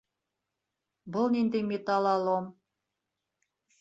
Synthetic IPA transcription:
bɤlˠnind̪emʲet̪ɑlˠɑlˠom

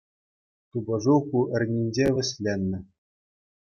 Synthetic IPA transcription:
t̪ubɤ̆ʐukuʔɘ̆rʲnʲinʲd͡ʑeʋʲɘ̆sʲlʲenʲːɘ̆

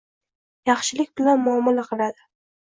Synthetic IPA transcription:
jɑχʃɪlɪkʲbɪlanmɒmɒlaqʰɨlad̪ɪ

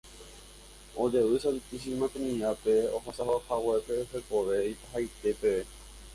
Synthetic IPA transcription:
od͡ʒeʋɨsalt̪is̬imãt̪ẽnĩapeoɦasaɦohawepeoɦekoʋe̞ipaɦajt̪e̞pe

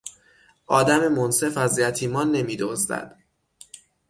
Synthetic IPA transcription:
ʔɒːd̪æme̞monse̞fæzjæt̪ʰiːmɒːnːe̞miːd̪ozd̪æ̰d̪̥

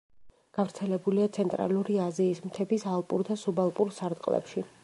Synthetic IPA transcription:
ɡ̥avɾt̪sʰɛlɛbuliat̪sʰɛnt̪ʼɾa̰luɾiaziːsmt̪ʰɛbisalˠpʼuɾd̪asubalˠpʼuɾsaɾt̪ʼqʼlɛ̰pʃi

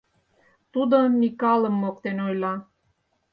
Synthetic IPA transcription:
t̪ud̪omikɑlə̆mːok̚t̪enojlɑ

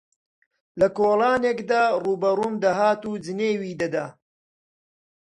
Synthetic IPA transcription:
lɐkoːlˠaːnekd̪aːruːbɐruːmd̪ɐɦaːt̪uːd͡ʒɨneːwiːd̪ɐd̪aː

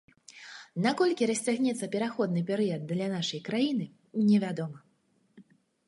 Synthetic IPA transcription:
nakɔlʲkʲiɾɐsʲt͡sʲaɣnʲɛt̪sːɐpʲɛɾaxɔd̪nɨpʲɛɾɨjɐd̪̚d̪lʲanaʂɐjkɾajinɨ | nʲɛvʲad̪ɔmɐ

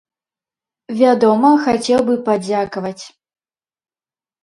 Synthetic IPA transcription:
vʲad̪ɔmɐxat͡sʲɛwbɨpad͡zʲakɐvɐt͡sʲ

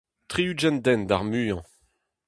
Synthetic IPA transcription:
t̪χiyd͡ʒɛnd̪ɛnd̪aʁmyːjɑ̃

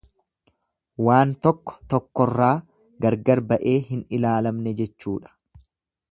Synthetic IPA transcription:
waːnt̪ɔkːɔ̥t̪ɔkːɔrːaː | ɡɐɾɡɐɾbɐʔe̞ːɦɪnɪlaːlɐmnɛd͡ʒɛt͡ʃːuːᶑɐ̥

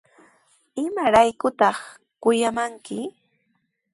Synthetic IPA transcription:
ɪmaɾajkʊt̪ɑχ | kʊjamaŋkɪ

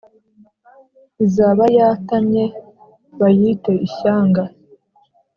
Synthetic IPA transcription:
izaːβajaːtamɲe̞ | βajiːte̞ʔiçaːŋɡa

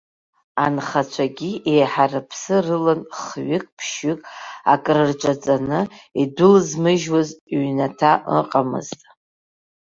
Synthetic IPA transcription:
anχat͡ʃʷʰaɡʲiʔejħarɨpʰsɨrɨlanχɥɪkʼpʰʃʏkʼa̰kʼrɨrt͡ʃʷʼat͡sʼanɨidʊlzmɨʒwazɥnatʰaʔə̰qʼamɨ̰ztʼ

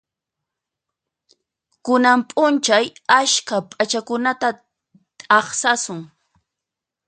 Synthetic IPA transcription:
kʊnampʼʊnt͡ʃajaʃkapʼat͡ʃakʊnat̪a | t̪ʼɑχsasʊŋ

